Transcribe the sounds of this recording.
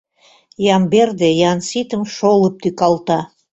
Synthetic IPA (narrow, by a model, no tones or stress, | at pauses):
jɑmberd̪ejɑnsit̪əmʃolˠə̆p̚t̪ykɑlˠt̪ɑ